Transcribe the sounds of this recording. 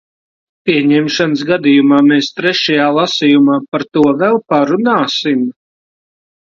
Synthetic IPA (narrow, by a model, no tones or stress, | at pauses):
pʲiɛɲɛmʃanəs̬ɡad̪ijumaːmeːst̪ɾɛʃajaːlˠasijumaːpaɾt̪uɔvɛlˠpaɾunaːsim